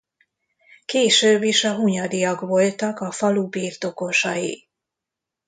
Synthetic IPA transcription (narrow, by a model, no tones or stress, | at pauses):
keːʃøːbːiʃɒɦuɲɒd̪ijɒkʋo̞lt̪ɒkɒfɒlubiːrt̪o̞ko̞ʃɒjḭ